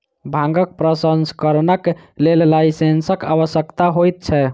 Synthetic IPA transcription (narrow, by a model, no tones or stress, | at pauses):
bʱãŋɡək̚pɾəsənskəɾnəklellaɪsensəka̰βəsjəkt̪aɦojt̪̚t͡ʃʰɛ